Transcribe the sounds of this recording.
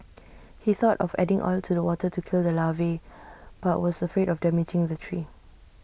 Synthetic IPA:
hiθɔtɔfɛ̰dɪ̃ŋʔɔ̰ltʰudəwɔtətukʰildəlaveb̥aʔwɔsəfɹedɔfdɛmɪd͡ʒɪ̃ŋdətʰɹi

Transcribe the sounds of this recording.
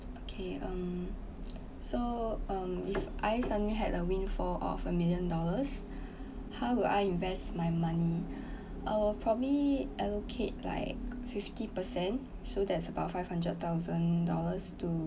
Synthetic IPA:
okʰeʌ̃m | soʌ̃mifʔaɪsãdiɦɛtəwĩnfɔʔɔ̰fəmiljə̃ndɔləs | hawwuda̰ɪĩnvɛstmajmãni | ʔaɪwilpʰɹɔbəliʔɛlokʰet̚la̰ɪk̚fiftipəsɛ̃n | sodɛtsəbaʊtfaɪvhãndɹət̚t̪aʊzə̃ndɔləstu

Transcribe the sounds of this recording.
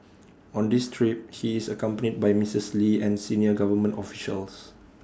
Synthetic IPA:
ɔ̃ndistʰɹip̚hiːsəkãmpənid̚bajmisisliɛ̃nsĩniəɡavəmə̃ntɔfi̥ʃə̰ls

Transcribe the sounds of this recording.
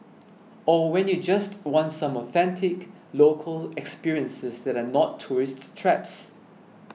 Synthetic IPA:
ɔwɛ̃njud͡ʒastwɔ̃ntsãmɔθɛ̃ntʰɪk | lokʰəlɛkspiɹiə̃nsɪsdɛtanɔtʰːuɹɪsttʰːɹɛps

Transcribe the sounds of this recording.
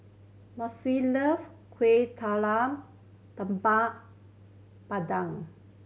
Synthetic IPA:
mɔsiləf | kʰwet̪ʰalam | t̪əmpaʔ | padaŋ

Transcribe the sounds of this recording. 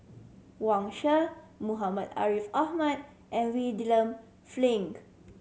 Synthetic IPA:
wãŋʃəmuɦaməda̰ɹifahmad̚ | ʔɛ̃nwidilə̃m | flĩŋk

